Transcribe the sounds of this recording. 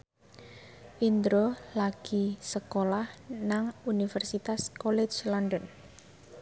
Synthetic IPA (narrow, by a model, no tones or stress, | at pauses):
wind̪ɾolaɡ̥isəkolahnaŋunifɛrsit̪askolɛd͡ʒlɔndən